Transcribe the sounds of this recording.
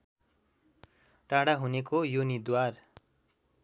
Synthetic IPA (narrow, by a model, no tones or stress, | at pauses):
ʈaɽaɦunekojunid̪war